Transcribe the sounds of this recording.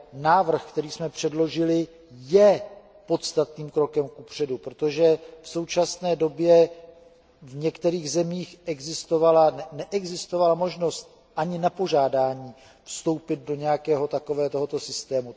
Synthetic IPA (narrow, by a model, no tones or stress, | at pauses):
naːvr̩xkt̪ɛɾiːsmɛpr̝̥ɛdlo̞ʒɪlɪ | jɛ | po̞t̪st̪at̪niːmkɾo̞kɛmkupr̝̥ɛdupɾot̪o̞ʒɛfso̞wt͡ʃasnɛːdo̞bjɛ | vɲɛkt̪ɛɾiːɣzɛmiːxʔɛɡzɪst̪o̞valanɛnɛʔɛɡzɪst̪o̞valamo̞ʒno̞st̪̚ | ʔaɲɪnapo̞ʒaːdaːɲiː | fst̪o̞wpɪd̪̚do̞ɲɛjakɛːɦo̞t̪ako̞vɛːt̪o̞ɦot̪o̞sɪst̪ɛːmu